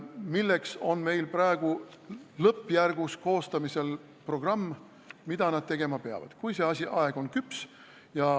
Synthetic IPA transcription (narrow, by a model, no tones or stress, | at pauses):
milːe̞kso̞nme̞jlprɑeɡ̥ulɤpːˑjærɡ̥usko̞ːst̪ɑmise̞l | pro̞ɡ̥rɑmː | mid̪̥ɑnɑd̪̥̚t̪e̞ɡ̥e̞mɑpeɑ̰vɑ̰d̪̥kujse̞ɑsʲiʔɑe̞ɡ̥o̞nkyps | jɑ